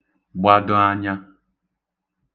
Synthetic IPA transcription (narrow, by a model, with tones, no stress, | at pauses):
bwa˨dɔ̃˦a˦ɲã˦